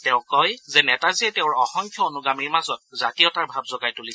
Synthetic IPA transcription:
tɛʊ̃kɔjzɛnɛtaziɛtɛʊɹɔxɔŋkʰjɔonuɡamiɹmazɔt̚zatijɔtaɹbʱabzɔɡajtuliɛ

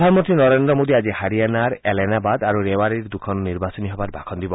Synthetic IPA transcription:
d̪ʱanmɔnt̪ɾinɔɾend̪ɾɔmod̪iad͡ʒihaɾianaɾelenabad̪aɾuɾewaɾiɾd̪ukʰɔnːiɾbasɔniɦɔbaɾbʱa̰kʰɔnd̪ibɔ

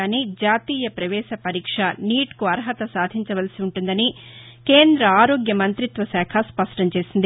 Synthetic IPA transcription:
aːnid͡ʒaːt̪iːjɐpɾɐʋɛːʃɐpɐɾiːkʂɐniːʈkuɐɾɦɐt̪ɐsaːd̪ʱiɲt͡ʃɐʋɐlsiuɳʈund̪ɐni | keːnd̪ɾɐaːɾo̞ːɡjɐmɐnt̪ɾit̪ʋɐsɛːkʰɐspɐʂʈɐɲt͡ʃe̞ːsind̪i

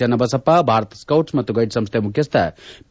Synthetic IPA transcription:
ɐnɐbɐsɐpabʱaːɾət̪skɐwʈsmɐt̪uɡɐjʈsɐmst̪ʰemukʰjɐst̪ʰa̰

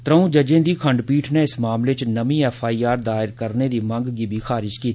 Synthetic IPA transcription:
t̪ɾəũːd͡ʒəd͡ʒẽːd̪iːkʰə̃ɳɖpiːʈʰneɪsmaːmlet͡ʃnəmĩːɛːfʰaːiːaːɾd̪aːɪɾkəɾned̪iːmə̃ŋɡɡibʱixʰaːɾɪʃkiː

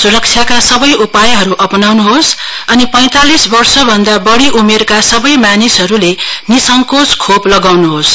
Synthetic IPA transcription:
suɾʌk̚t͡ʃʰjakasʌbʌjupajɦʌɾuʔʌpnawnuɦos | ʌnipʌ̃j̃t̪alisbʌrsʌbʱʌnd̪abʌɽiʔumerkasʌbʌjmanisɦʌɾulenisʌŋkoskʰoplʌɡawnuɦos

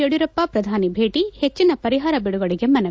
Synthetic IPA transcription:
oɽiɾɐpːɐpɾɐd̪ʱaːnibʱeːʈihet͡ʃːinɐpɐɾiɦaːɾɐbiɽuɡɐɽiɡe̞mɐnɐ

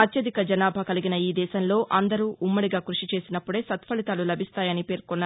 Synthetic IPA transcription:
ɐt̪jɐd̪ikɐd͡ʒɐnaːbʱɐkɐliɡinɐiːd̪ɛːʃɐnlo̞ːʔɐnd̪ɐɾuːʔumːɐɽiɡaːkɾuʂit͡ʃe̞ːsinɐpːuɽe̞ːsɐt̪pɐɭit̪aːlulɐbʱist̪aːjɐnipe̞ːɾkɔnːaː

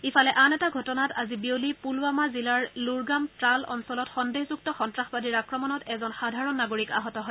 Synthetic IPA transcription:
ifʰalɛʔanɛtaɡʱɔtɔnatazibiolipulwamazilaɹluɹɡamtɹalɔ̰nsɔlɔtxɔndeɦzuk̚tɔxɔntɹaxbadiɹakɹɔmɔnɔtɛzɔnxadʱaɹɔnːaɡoɹika̰ɦɔtɔɦɔj

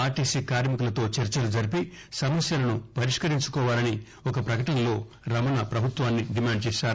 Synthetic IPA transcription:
aːʈiːsiːkaːɾmikulɐt̪o̞ːt͡ʃɐɾt͡ʃɐɾud͡ʒɐɾipi | sɐmɐsjɐlɐnupɐɾiʂkɐɾiɲt͡ʃu̥kɔːʋaːlɐni | ɔkɐpɾɐkɐʈɐnɐlo̞ː | ɾɐmɐnɐpɾɐbʱut̪ʋaːnːiɖimaːɳɖ̚t͡ʃɛːʃaːɾu

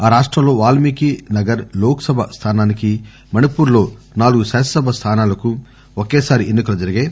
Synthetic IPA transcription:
aːɾaːʂʈɾɐmlo̞ːʋaːlmiːkinɐɡɐɾloːkɐsɐbʱɐst̪ʰaːnaːniki | mɐnipuːɾlo̞ː | naːluɡusɛːsɐsɐbʱɐst̪ʰaːnaːlɐku | okeːsaːɾiʔenːikɐlɐd͡ʒɐɾiɡeː

